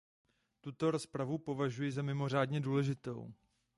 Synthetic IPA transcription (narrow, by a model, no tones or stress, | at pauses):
t̪ut̪o̞ɾo̞spɾavupo̞vaʒujɪzamɪmo̞r̝aːdɲɛduːlɛʒɪt̪o̞̰w